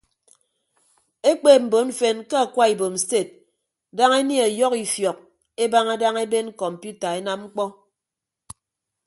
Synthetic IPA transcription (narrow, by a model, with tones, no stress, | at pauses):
e˦k͡pe˦˨m̩˨bo˨˦ɱ̩˦fe˦nke˦a˨kwa˦i˨bo˨m̩˨ste˦˨t̚ | da˦ŋe˦nje˦a˨jɔ˦ki˨fjɔ˨k̚ | e˦ba˦ŋa˦da˦ŋe˦be˦n˦kɔ˨m̩˨pju˦ta˨e˦na˦m̚ŋ͡m̩˦k͡pɔ˦